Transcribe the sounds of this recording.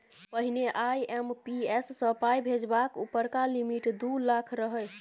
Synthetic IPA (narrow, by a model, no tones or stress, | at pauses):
pəɦineʔajempiesːəpajbʱed͡ʒbakupəɾkalimiʈd̪ulakʰɾəɦəl